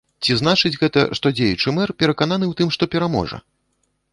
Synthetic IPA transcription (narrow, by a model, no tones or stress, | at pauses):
t͡sʲizn̪at͡ʂɨd͡zʲɣɛt̪ɐ̰ʂt̪ɔd͡zʲejut͡ʂɨmɛrpʲɛɾɐkanan̪ɨwt̪ɨmʂt̪ɔpʲɛɾamɔ̰ʐɐ̰